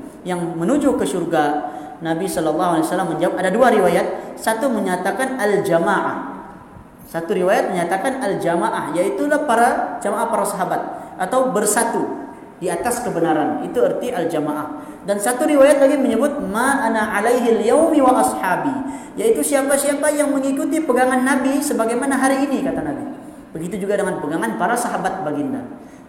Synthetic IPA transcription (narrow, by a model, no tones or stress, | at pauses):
jaŋmənud͡ʒukəʃurɡa | nabisɔlɑlːɑɦualiasalːamːəɲd͡ʒawap̚adaduaɾiwajat̪̚sat̪uməɲat̪akanald͡ʒamaʔa̰h | sat̪uɾiwajat̪̚məɲat̪akanald͡ʒamaʔahjait̪ulahpaɾad͡ʒamaʔahpaɾasaɦabat̪̚ʔat̪awbərsat̪u | diat̪askəbənaɾanit̪uərt̪iʔald͡ʒamaʔah | dansat̪uɾiwajat̪̚laɡiməɲəbʊt̪̚maʔanaʕalajɦɪljawmiwalʔɑsħaːbijait̪usiapasiapajaŋməŋikut̪ipəɡaŋanːabisəbaɡajmanaɦaɾiːnikat̪anabi | bəɡit̪ud͡ʒuɡadəŋanpəɡaŋanpaɾasaɦabat̪̚baɡinda̰